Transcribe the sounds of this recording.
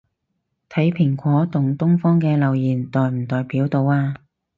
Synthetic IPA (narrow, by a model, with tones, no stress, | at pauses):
t̪ʰɐ˨˥jpʰɪ˨˩ŋkʷɔː˨˥t̪ʊ˨ŋt̪ʊ˥ŋfɔː˥ŋkɛː˧lɐ˨wjiː˨˩nt̪ɔː˨jm̩˨˩t̪ɔː˨jpiː˨˥wt̪o˧waː˧